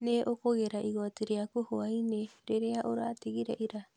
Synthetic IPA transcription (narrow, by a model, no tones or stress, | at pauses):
neʔokoɣeɾaʔiɣoatiɾeakuhoajneɾeɾeaʔoɾateɡiɾaʔiɾa